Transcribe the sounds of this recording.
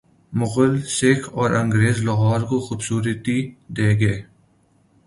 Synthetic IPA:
mʊɣʊlseːkʰɔːɾɐ̃ŋɡɾeːzlɐɦaːɾkoxʊbsuːɾət̪id̪eːɡeː

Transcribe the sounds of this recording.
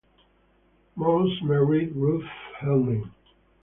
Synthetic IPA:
mosmɛɹidɹufhɛlnɪ̃ŋ

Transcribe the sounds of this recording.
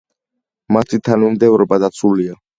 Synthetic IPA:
mat̪ʰit̪ʰanumd̪ɛvɾɔbad̪at̪sʰulia

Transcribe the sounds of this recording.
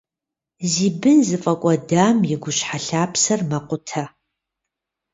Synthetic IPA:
ziːbɨnzɨfʼɐkʷʼɔdaːmjɪɡʷʊɕħaɬaːpʰsɐrmɐqʷʊtʰɐ

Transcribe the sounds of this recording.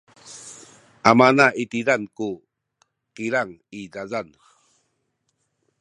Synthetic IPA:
ʔamanaʔit̪iɾanku | qiɾaŋidazan

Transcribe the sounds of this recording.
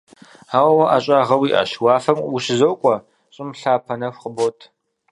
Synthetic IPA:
aːwɐwɐʔaːɕʼaːʁɐwiːʔa̰ːʃwaːfɐmwʊɕɪzowkʷʼɔ | ɕʼɪmɬaːpʰɐnɐxʷqəbotʰ

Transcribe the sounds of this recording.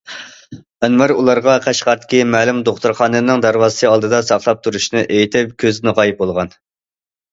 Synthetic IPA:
ɛnmæɾulˠɑɾʁɑqʰæʃqɑɾt̪ʰɪ̥kʲʰimæːlumd̪oχt̪uɾχɑːnɨnɨŋd̪æɾwɑːzsɨɑlˠd̪ɨd̪ɑsɑχlˠɑp̚t̪ʰuɾuʃnɨʔejit̪ʰɪpkʲʰøznɨʁɑːjip̚bolˠʁɑn

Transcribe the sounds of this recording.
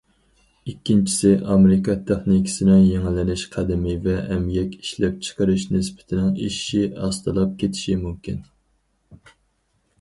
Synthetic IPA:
ikʲːint͡ʃʰi̥sɪʔɑmɪɾɪkʰɑt̪ʰæχnikʲʰɪ̥sɪnɪŋjeŋɪlɪnɪʃqʰæd̪ɪmɪvɛːmjɛkʲi̥ʃlɛp̚t͡ʃʰə̥qəɾɪʃnɪspʰɪ̥t̪ʰɪnɪŋiʃiɑst̪ɨlˠɑp̚kʲʰet̪ʰɪ̥ʃimumkʲin

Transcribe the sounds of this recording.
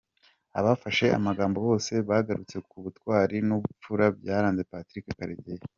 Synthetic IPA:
a̰βafaʃe̞a̰maɡaːmbo̞jo̞ːse̞βaɡaɾut͡se̞kuβutkwaːɾinuβup͡fuɾabɟaːɾaːnzepatɾikekaɾeɟeje

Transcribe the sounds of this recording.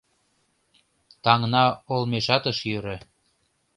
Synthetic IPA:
t̪ɑŋnɑolmeʃɑt̪əʃjøɾĕ

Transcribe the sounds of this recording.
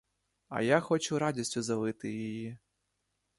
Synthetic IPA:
ɐ̰jaxɔt͡ʃʊɾɑdʲisʲtʲʊzɐʋɪt̪ɪjiji

